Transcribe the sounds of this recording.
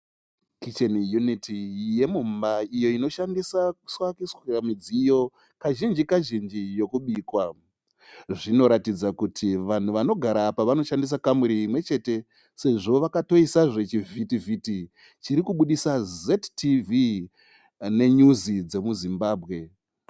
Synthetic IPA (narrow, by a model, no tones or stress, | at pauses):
kit͡ʃenjunitʰije̞mumbaijo̞ino̞ʃandisaku̥swakisramid͡zijo̞ | kaʒind͡ʒikaʒind͡ʒijo̞kuɓiːkwa | ʐino̞ɾatid͡zakutʰiʋan̤uʋano̞ɡʱaɾapaʋano̞ʃandis̬akamuɾiːmwe̞t͡ʃe̞ːte̞ | se̞ʐo̞ʋakato̞isaʐe̞t͡ʃivʱitivʱiti | t͡ʃiɾikuɓuɗisazettivi | ne̞ɲuzid͡ze̞muzimbaːbʱɣe̞